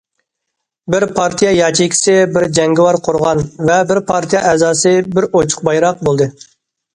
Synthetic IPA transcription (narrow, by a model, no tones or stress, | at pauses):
bɪɾpʰɑɾt̪ʰijɑjɑt͡ʃʰijkʲʰi̥sɪbɪɾd͡ʒɛŋɡʲɪwɑɾqʰʊɾʁɑnvɛbɪɾpʰɑɾt̪ʰijɑʔɛzɑːsɨbɪɾot͡ʃʰʊ̥q̚bɑjɾɑq̚bolˠd̪ɨ